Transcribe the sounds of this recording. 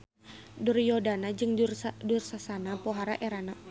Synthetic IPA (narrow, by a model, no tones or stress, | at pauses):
durjɔdanad͡ʒɨŋrdursasanapɔɦaɾaʔɛɾana